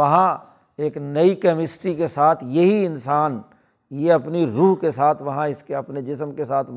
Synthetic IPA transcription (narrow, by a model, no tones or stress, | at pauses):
ɐɦã | eːknɐikɛmɪsʈɾikesaːt̪ʰjɐɦiɪnsaːn | jeɐpniɾuːɦkesaːt̪ʰʋɐɦãɪskeɐpned͡ʒɪsmkesaːt̪ʰ